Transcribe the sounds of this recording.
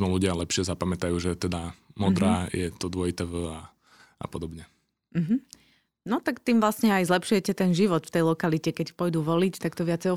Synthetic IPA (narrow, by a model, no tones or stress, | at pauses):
mɛluɟɪalɛpʃɪɛzapamɛt̪ajuːʒɛt̪ɛd̪amɔd̪ɾaːjɛt̪ɔd̪ʊɔit̪ɛvəa | ʔa̰pɔd̪ɔbɲɛ | m̩ɦm̩ | nɔt̪akt̪iːmʋlasɲɛajzlɛpʃujɛcɛt̪ɛnʒiʋɔt̪ft̪ɛjlɔkalicɛkɛcpɔjd̪uːʋɔlit͡ʃt̪akt̪ɔʋɪat͡sɛjɔ